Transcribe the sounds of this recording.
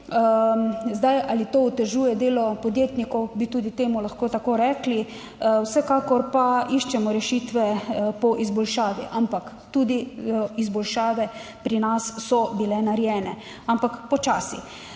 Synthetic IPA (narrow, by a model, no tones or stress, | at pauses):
zd̪ajʔalit̪oːut̪ɛʒuːjɛd̪eːlɔpɔd̪jeːt̪nikɔwbit̪uːd̪it̪eːmulaxkoːt̪akoːɾɛkli | wsɛkakɔɾpaiʃt͡ʃɛmɔɾɛʃiːt̪ʋɛpɔʔizbɔlʃaːʋiʔampak | t̪uːd̪iizbɔlʃaːʋɛ | pɾinassɔbilɛnaɾjɛːnɛ | ampakpɔt͡ʃaːsi